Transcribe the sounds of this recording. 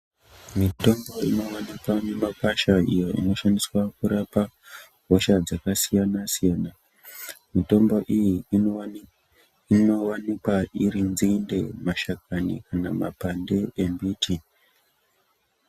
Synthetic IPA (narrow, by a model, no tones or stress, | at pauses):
mito̞mbo̞inowanikwane̞makwaʃaḭjoḭno̞ʃaniswakuɾapa | ɦoʃad͡zakasijanasijaːna | mito̞mbo̞ʔiji | inowanikwaʔiɾinzinde̞maʃakanḭkana̰mapande̞ʔembiːtʰi